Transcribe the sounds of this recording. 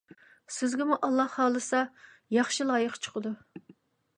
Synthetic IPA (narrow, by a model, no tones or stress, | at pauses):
sɪzɡʲɪmuʔɑlˠːɑhhɑːlˠɨsɑ | jɑχʃilˠɑːjəqt͡ʃʰə̥qʰəd̪u